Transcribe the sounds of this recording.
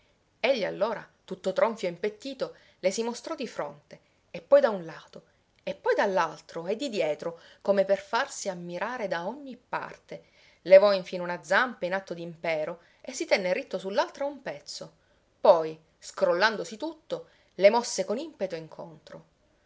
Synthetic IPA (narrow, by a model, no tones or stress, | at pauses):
eʎːia̰lːoːɾat̪ut̪ːot̪ɾoɱfjoimpet̪ːiːt̪o | lesimost̪ɾɔd̪ifɾont̪e | epːɔjd̪aunlaːt̪o | epːɔjd̪alːalt̪ɾoɛd̪ːid̪jɛːt̪ɾokomeperfarsiamːiɾaːɾed̪aoɲːipːa̰rt̪e | levɔiɱfiːnunad̪zampainat̪ːod̪impɛːɾo | esːit̪ɛnːerit̪ːosulːalt̪ɾaumpɛt̪sːo | pɔj | skɾolːand̪osit̪ut̪ːo | lemɔsːekonimpet̪oiŋkʰont̪ɾo